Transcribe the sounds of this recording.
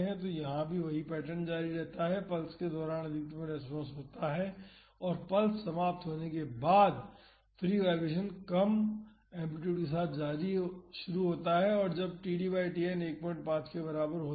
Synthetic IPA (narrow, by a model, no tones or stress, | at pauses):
ɦɛ̃t̪ojɐɦãbʱiʋɐɦipɛːʈənd͡ʒaːɾiɾɛɦt̪aɦɛpɐlsked̪ɔːɾaːnɐd̪ʱɪkət̪mẽɾɛspɔ̃ːnsɦoːt̪aɦɛ | ɔːɾpɐlsːɐmaːp̚t̪ɦoːnekebaːd̪ | fʰɾiːʋɛːɾʋeːʃ̬ənkɐm | ɛ̃ːmpɪʈjuːɖkes̬aːt̪ʰd͡ʒaːɾiʃʊɾuɦoːt̪aɦɛɔːɾd͡ʒɐb̚ʈiːɖiːbaːɪʈiːɛneːk̚pəʈpãːt͡ʃkebɐɾaːbəɾɦoː